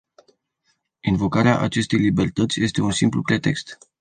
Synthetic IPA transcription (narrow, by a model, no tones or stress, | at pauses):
invo̞kaɾea̰ʔat͡ʃe̞st̪e̞jlibe̞rt̪ət̪sʲje̞st̪e̞unsimplupɾe̞t̪e̞kst̪